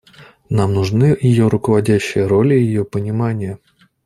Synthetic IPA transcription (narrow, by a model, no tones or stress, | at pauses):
namnʊʐnɨjɪjo̞ɾʊkəvɐdʲæɕːɪjəɾo̞lʲɪjɪjopənʲɪmanʲɪjə